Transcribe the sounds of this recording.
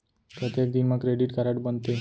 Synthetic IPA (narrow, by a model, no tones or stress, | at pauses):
pɾət̪jek̚d̪inmakɾeɖiʈkaɾaʈbənt̪e